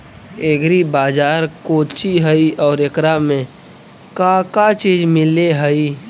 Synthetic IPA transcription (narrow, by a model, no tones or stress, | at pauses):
eɡɾibaːd͡ʒaːɾkoːt͡ʃiɦəiɔːɾekɾamẽ | kãkat͡ʃiːd͡ʒmɪleɦəi